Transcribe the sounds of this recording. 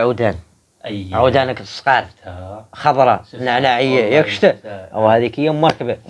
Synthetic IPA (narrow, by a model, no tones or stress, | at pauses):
ʕud̪æn | ʕud̪ænəksˤqɑɾˤ | xɑb̪ˤɾˤɑnaʕnaʕəjːajækə̥ʃt̪əʔwhæd̪ikəjːæməɾkbə